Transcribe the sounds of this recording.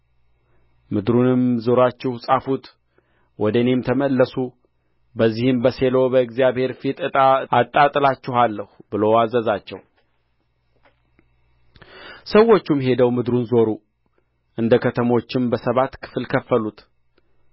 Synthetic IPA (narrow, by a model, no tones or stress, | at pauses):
mɨd̪ɾunɨmzo̞ɾat͡ʃːɪhsʼafut̪ | wɔd̪əne̞mt̪ʰəməlːəsu | bəzːihɨmbəse̞lo̞bəɨɡzijaβhe̞ɾfit̪ʼɨt̪ʼaat̪ʼːat̪ʼɨlat͡ʃːɪhalːəhbɨloazəzat͡ʃːɛ̰w | səwːo̞t͡ʃːumɦe̞d̪əwmɨd̪ɾunzo̞ɾu | ʔɨnd̪əkʰət̪ʰəmo̞t͡ʃːɪmbəsəβat̪kʰɨ̥fɨlkʰəfːəlut̪ʰ